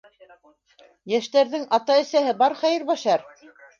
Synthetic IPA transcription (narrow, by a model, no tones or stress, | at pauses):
jæʃt̪æɾðɘŋɑt̪ɑɘ̆sæɦɘbɑɾχæjɘɾβɑʃɑɾ